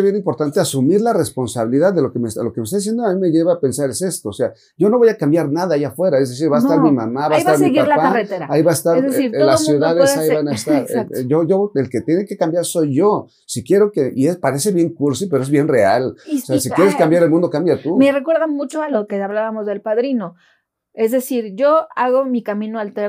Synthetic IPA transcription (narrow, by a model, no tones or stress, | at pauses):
βje̞nimpo̞ɾt̪ant̪easumiɾlarespo̞nsaβiliðaððːe̞lo̞kemelo̞keme̞st̪aðisje̞nd̪oamĩme̞ʝe̞βaːpe̞nsaɾe̞se̞st̪oːse̞a | ɟ͡ʝo̞no̞βo̞jakambjaɾnaðaːiafwe̞ɾae̞zðe̞s̬iɾβaest̪aɾmimamaβaesaɾmiɣialapaaret̪eɾaaiβaest̪aɾzesiɾlasːjuðaðesaiβanaest̪aɾʝoʝo̞elket̪je̞neke̞kambjaɾso̞jʝo | sikje̞ɾo̞keʔie̞spaɾe̞seβje̞ŋkuɾsipe̞ɾoe̞zβje̞nre̞aloseasikjeɾeskambjaɾelmũnd̪o̞kambjat̪umerekwe̞ɾðamut͡ʃoalokeaβlaβamozðe̞lpaðɾino̞ | ezðesiɾʝoaɣo̞mikamĩnoalt̪e